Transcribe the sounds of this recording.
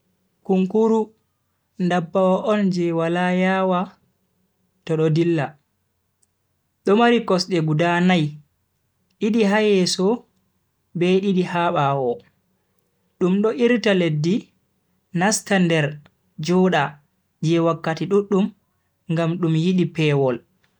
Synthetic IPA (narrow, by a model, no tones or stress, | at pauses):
kuŋkuɾu | ndabːawaʔɔnd͡ʒɛwalajawa | tɔɗɔdilːa | ɗɔmaɾikɔsɗɛɡudanaj | ɗiɗiɦajɛsɔ | bɛɗiɗihaɓawɔ | ɗumɗɔʔiɾtaledːi | nastandɛɾ | d͡ʒɔɗa | d͡ʒɛwakːatiɗuɗːum | ŋɡamɗumjiɗipɛwɔl